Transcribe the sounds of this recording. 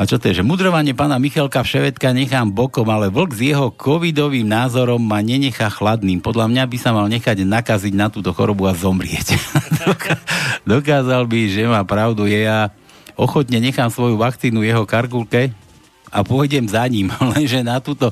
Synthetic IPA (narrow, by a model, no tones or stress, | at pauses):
at͡ʃɔt̪ɔjɛʒɛmud̪ɾɔʋaɲɪɛpaːnamixɛlkafʃɛʋɛt̪kaɲɛxaːmbɔkɔmalɛʋl̩ɡzjɛɦɔkʰɔʋid̪ɔʋiːmnaːzɔɾɔmːaɲɛɲɛxaxlad̪niːmpɔd̪ʎamɲabisamalɲɛxaɟnakaziɟnat̪uːt̪ɔxɔ̰ɾɔbuazɔmɾɪɛcd̪ɔkad̪ɔkaːzalbiʒɛmaːpɾaʊd̪ujɛja | ɔxɔt̪ɲɛɲɛxaːmsʋɔjuʋakt͡siːnuvjɛɦɔkaɾkulkɛ | a̰pʊɔjɟɛmzaɲimlɛnʒɛnat̪uːt̪ɔ